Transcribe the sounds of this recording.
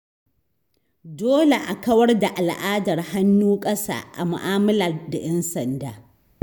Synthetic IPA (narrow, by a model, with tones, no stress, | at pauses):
doː˦le˨ʔa˨kɐ˦wɐ˦rda˨ʔa˨lʔaː˦dɐ˨rha˦nːuː˦kʼɐ˦sa̰ː˦ʔa̰˨mʊ̰˨ʔaː˦mɐ˦laː˨da˨jɛ˦nsɐ˨ndaː˨